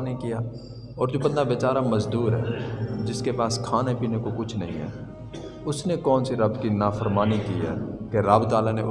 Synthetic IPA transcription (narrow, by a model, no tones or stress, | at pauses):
nikijaː | ɔːɾd͡ʒoːbɐnd̪aʋɪt͡ʃaːɾamɐzd̪uːɾɦɛ̰ːd͡ʒɪskepaːskʰaːnepiːnekokʊt͡ʃʰnɐ̰ɦḭ̃ɦɛ̰ː | ʊsnekɔːnsiɾɐbkinaːfəɾmaːnikiːɦɛ̰ːkeɾaːbt̪aːlane